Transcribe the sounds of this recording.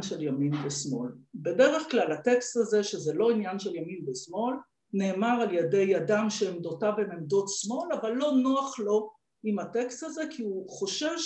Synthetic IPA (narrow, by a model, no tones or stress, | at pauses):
nʃeljaminbesmo̞lbe̞deʁe̞χklalatekstazeʃezelo̞injanʃeljaminbesmo̞l | ne̞ːmaʁaljede̞jadamʃeːmd̪o̞tavenemdo̞tsmo̞lavalːo̞noaχlo̞ | imhatekstazekʰiuχo̞ʃev